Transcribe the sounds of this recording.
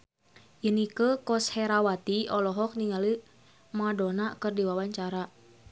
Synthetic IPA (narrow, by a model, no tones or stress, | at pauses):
jinikəkɔshɛɾawat̪iɔlɔɦɔk̚niŋali | madɔnakɨrdiwawaɲt͡ʃaɾa